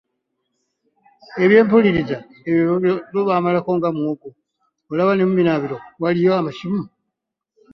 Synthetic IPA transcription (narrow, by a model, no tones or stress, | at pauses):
e̞βje̞ːmpuliɾiza | eβjoβoβaːmalako̞ŋɡamwoːɡo | olaβanemuβinaβiɾowalijo̞amaʃimu